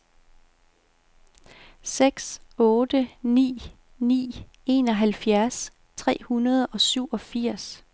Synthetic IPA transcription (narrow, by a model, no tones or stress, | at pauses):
seɡ̥sɔ̽ːd̥ənḭː | nḭː | e̝nɒ̽ɦælfjæɐs | t͡sʰʁɛ̰ːhunɐð̞ˠɒ̽syʊ̰ɒ̽fiɐ̰s